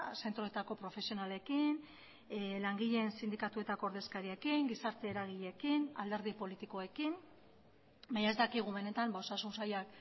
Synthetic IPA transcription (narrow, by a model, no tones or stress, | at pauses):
se̞nt̪ɾo̞e̞t̪ako̞pɾo̞fe̞sio̞nale̞kin | laŋɡiʎe̞nsind̪ikat̪ue̞t̪ako̞ːɾðe̞skaɾie̞kiŋɡisaɾt̪e̞ːɾaɣ̞iʎe̞kina̰ld̪e̞ɾð̞ipo̞lit̪iko̞e̞kin | baɲaezt̪akiɣ̞uβe̞ne̞t̪ambao̞sasunsajak̚